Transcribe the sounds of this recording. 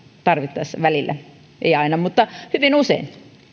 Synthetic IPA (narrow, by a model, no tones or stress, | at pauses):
t̪ɑrʋit̪ːɑisːɑʋælilːæ̰ | ʔeiɑinɑmut̪ːɑhyʋinusḛin